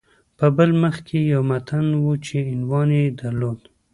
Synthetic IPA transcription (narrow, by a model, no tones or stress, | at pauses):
pəbəlməxkʰejawmat̪ʰanwut͡ʃeɪnwɑned̪aɾlod̪